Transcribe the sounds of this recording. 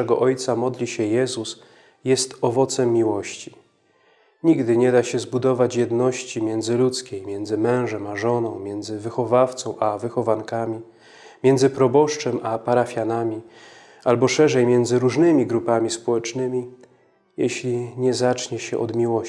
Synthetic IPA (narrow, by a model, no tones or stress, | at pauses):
ɛɡɔʔɔjt̪samɔd̪lʲiɕɛjɛzus | jɛst̪ɔvɔt̪sɛmːiwɔɕt͡ɕi | ɲiɡd̪ɘɲɛd̪aɕɛzbud̪ɔvat͡ɕjɛd̪nɔɕt͡ɕimʲjɛnd̪zɘlut̪skʲejmjɛnd̪zɘmɛ̃w̃ʐɛmaʐɔnɔ̃w̃mʲjɛnd̪zɘvɘxɔvaft̪sɔ̃w̃ʔavɘxɔvankamʲi | mʲjɛnd̪zɘpɾɔbɔʂt͡ʂɛmʔapaɾafʲjanamʲi | albɔʂɛʐɛjmʲjɛnd̪zɘɾuʐnɘmʲiɡɾupamʲispɔwɛt͡ʂnɘmʲi | jɛɕlʲiɲɛzat͡ʂɲɛɕɛ̰ʔɔd̪mʲiwɔ